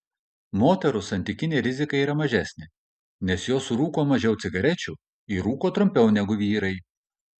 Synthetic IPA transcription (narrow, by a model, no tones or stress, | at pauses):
moːt̪ʲɛɾʊsɐnʲt̪ʲɪkʲɪnʲeːɾʲɪzʲɪkɐɪiːɾɐmɐʒʲæsʲnʲɪ | nʲɛsjoːsɾuːkoːmɐʒʲɛʊt̪ʲɪɡɐɾʲɛt͡ʃʲuː | iːɾuːkoːt̪ɾʊmʲpʲɛʊnʲɛɡʊʋʲiːɾɐɪ